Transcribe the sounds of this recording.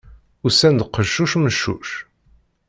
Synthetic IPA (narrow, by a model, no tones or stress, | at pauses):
ʊɾsænd̪qəʃːuʃməʃːṵʃ